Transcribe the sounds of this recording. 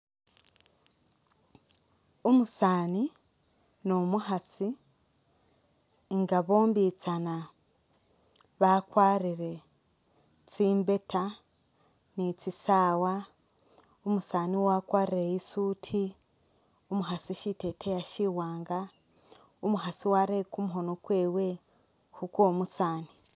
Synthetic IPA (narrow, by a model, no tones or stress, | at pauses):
omusaːni | nomuɦat͡si | ŋɡaβo̞ːmbiːt͡sana | βakwaːɾiɾe̞ | t͡siːmbe̞tʰa | nit͡sisaːwa | omusaːniwakwaːɾiɾejisuːtʰi | omuɦasiʃitetʰejaʃiwaːŋɡa | omuɦasiwaɾekumuɦo̞nokweːwe | hukwomusaːni